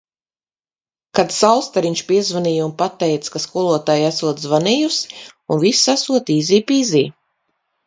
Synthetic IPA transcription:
kat̪sawst̪aɾiɲʲt͡ʃpʲiɛzvaniːjunpat̪ːɛjt̪skaskuɔlˠuɔt̪aːjasuɔt̪zvanijusunvisasuɔt̪iːziːpiːziː

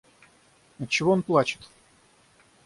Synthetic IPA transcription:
ət͡ɕːɪvo̞onplˠat͡ɕɪ̥t̪

